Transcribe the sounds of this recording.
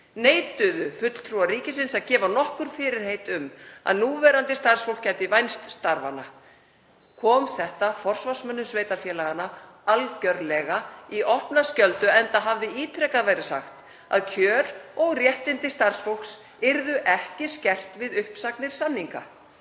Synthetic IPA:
neːjt̪ʏðʏfʏt̪l̥t̪ʰɾuaɾiːcɪsɪnsaðcɛːvanɔhkʏɾ̥fɪːɾɪɾ̥hejt̪ʏma̰ðnuːvɛɾant̪ɪst̪ar̥sfowl̥kcʰːɛmt̪ɪvajnst̪st̪aɾva̰na | kʰɔːmθɛht̪afɔr̥svar̥smœnːʏsveːjt̪aɾfjɛːlaɣana | alcœɾlɛɣaiʔɔhpnascœlt̪ʏɛnt̪aɦavðɪiːt̪ʰɾɛkaðvɛɾɪ̥sa̰xt̪ | a̰ðcʰjœːɾɔɣrjɛht̪ɪnt̪ɪst̪aɾr̥sfowl̥ks | ɪɾðʏʔɛhcɪscɛr̥t̪vɪðʏhpsaknɪɾ̥sanːiŋka̰

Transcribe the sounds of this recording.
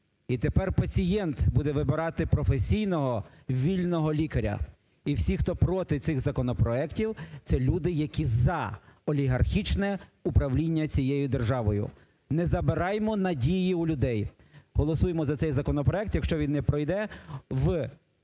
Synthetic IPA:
it̪epɛrpɐt͡sʲijɛnt̪bud̪ɛʋɪbɪɾɑt̪ɪpɾɔfesʲijnɔɦɔ | ʋʲilʲnɔɦɔlʲikɐɾʲɐ̰ | iwsʲixt̪ɔpɾɔt̪ɪt̪sɪxzɐkɔnɔpɾɔɛktʲiwt̪sɛlʲud̪ɪjɐkʲizɐɔlʲiɦɐrxʲit͡ʃnɛupɾɐwlʲinʲːɐt͡sʲijejʊd̪erʒɑʋɔjʊ̰ | nɛzɐbɪɾɑjmɔnɐdʲijiulʲʊd̪ɛj | ɦɔlˠɔsujemɔzɐt̪sɛjzɐkɔnɔpɾɔɛk̚t̪jɐkʃt͡ʃɔʋʲinːɛpɾɔjd̪ɛʋ

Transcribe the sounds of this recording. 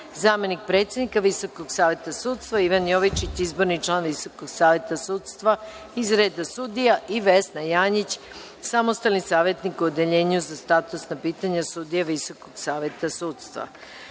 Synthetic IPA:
zaːme̞nik̚pɾe̞ːt̪sʲjed̪nikaʋiso̞koɡsaːʋjet̪asuːt̪st̪ʋaiʋanjoʋit͡ʃit͡ɕizbo̞ɾnit͡ʃlˠaːnʋiso̞koɡsaːʋje̞t̪asuːt̪st̪ʋa | izɾeːd̪asud̪ijaʔiʋesnajaːɲit͡ɕ | samost̪alnisaːʋjet̪nikuod̪eʎe̞ːɲuzast̪at̪usnapiːt̪aɲasud̪ijaʋiso̞koɡsaːʋje̞t̪asuːt̪st̪ʋa̰

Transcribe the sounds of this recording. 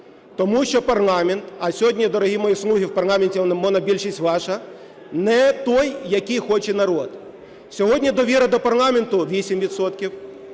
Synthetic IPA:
t̪ɔmuʃt͡ʃɔpɐrlˠɑmʲent̪ɐsʲɔɦɔdʲnʲid̪ɔɾɔɦʲimɔjislˠuɦʲiwpɐrlˠɑmenʲtʲiɔnmɔnɐbʲilʲʃisʲtʲʋɑʃɐ | nɛt̪ɔjːɐkɪjxɔt͡ʃɛnɐɾɔd̪ | sʲɔɦɔdʲnʲid̪ɔʋʲiɾɐd̪ɔpɐrlˠɑmʲent̪ʊʋʲisʲimʋʲid̪sɔt̪kʲiw

